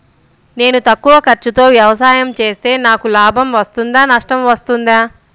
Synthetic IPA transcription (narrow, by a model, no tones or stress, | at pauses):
ne̞ːnut̪ɐkːuʋɐkɐɾt͡ʃːut̪o̞ːʋjɐʋɐsaːjɐmt͡ʃe̞ːst̪e̞ːnaːkulaːbʱɐmʋɐst̪und̪aːnɐʂʈɐmʋɐst̪und̪aː